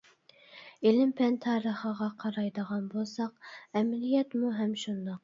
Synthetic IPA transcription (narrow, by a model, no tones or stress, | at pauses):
elɪmpʰɛnt̪ʰɑːɾəχəʁɑqʰɑɾɑjd̪əʁɑnbolˠsɑqɛmɪlijɛt̪muɦɛmʃund̪ɑq̚